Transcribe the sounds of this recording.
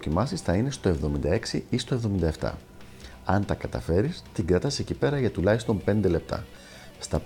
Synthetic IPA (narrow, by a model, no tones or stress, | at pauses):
cimɐsisθɐine̞st̪oe̞vðo̞mind̪ɐe̞ksiist̪o̞e̞vðo̞mind̪ɐeft̪ɐ̰ | ɐnt̪ɐkɐt̪ɐ̰fe̞ɾist̪iŋɡɾɐt̪ɐsecipe̞ɾɐʝɐt̪ulɐçist̪o̞mpe̞nd̪e̞le̞p̚t̪ɐ̰ | st̪ɐ